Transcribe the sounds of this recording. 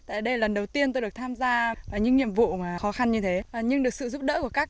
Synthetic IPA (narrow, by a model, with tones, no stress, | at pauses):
t̪a̰ː˧˨jɗə˧jlə˨˩nɗə˨˩wt̪i˧ənt̪o˧jɗɨ˨˩ək̚t̪ʰaː˧mzaː˧vaː˨˩ɲɨ̰˧˥ŋɲḭ˧˨əmvṵ˧˨maː˨˩xɔ˨˦xa˧nɲɨ˧t̪ʰe˨˦˨ɲɨ˧ŋɗɨ˨˩əksɨ̰˧˨zu˦˥p̚ɗə̰˧˥ku˧˩əkaː˦˥k̚